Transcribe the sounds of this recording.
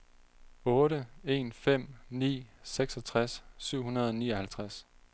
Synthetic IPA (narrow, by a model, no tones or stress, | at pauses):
ɔ̽ːɾəe̝̰ːnfem̰nḭːseɡ̥sɒ̽t͡sʰʁasːyʊ̰ɦunɐð̞ˠɒ̽niːɒhælt͡sʰʁas